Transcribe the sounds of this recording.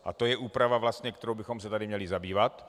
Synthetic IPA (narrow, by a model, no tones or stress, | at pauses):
ʔa̰t̪o̞jɛʔuːpɾavavlast̪ɲɛk̚t̪ɛɾowbɪxo̞ms̬ɛt̪adɪmɲɛlɪzabiːvat̪